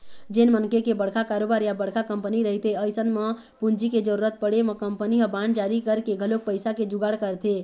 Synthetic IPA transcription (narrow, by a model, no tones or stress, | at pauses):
d͡ʒenmənkekebəɽkakaɾobaːɾjabəɽ̤kakə̃mpəniɾəɦit̪eəɪjsənmə | pund͡ʒiked͡ʒəɾuɾət̪̚pəɽeməkəmpəniɦəbaɳɖd͡ʒaɾikəɾkeɡʱəlok̚pəɪsaked͡ʒuɡaɽkəɾt̪ʰe